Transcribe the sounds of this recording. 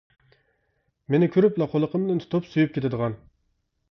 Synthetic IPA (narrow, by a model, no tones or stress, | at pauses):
menɪkʲʰyɾyplˠɑqʰolˠəqəmd̪ɨnt̪ʰt̪ʰopsujyp̚kʲet̪ʰɪd̪əʁɑn